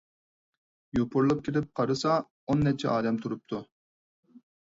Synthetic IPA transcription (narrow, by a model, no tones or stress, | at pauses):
jopʰʊɾlˠɑp̚kʲʰelɪp̚qʰɑɾɨsɑ | onːɛt͡ʃʰːɛ̰ʔɑːd̪ɛmt̪ʰuɾup̚t̪ʰu